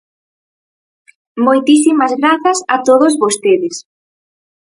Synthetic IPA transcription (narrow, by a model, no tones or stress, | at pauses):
mojt̪isimɐzɣɾaθɐsat̪oðozβost̪eðɪs